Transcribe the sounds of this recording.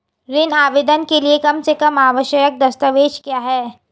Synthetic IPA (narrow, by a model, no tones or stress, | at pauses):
ɾɪnaːʋɪd̪ənkeliekɐmsekɐmaːʋəʃəjək̚d̪ɐst̪əʋeːʃkjaːɦɛː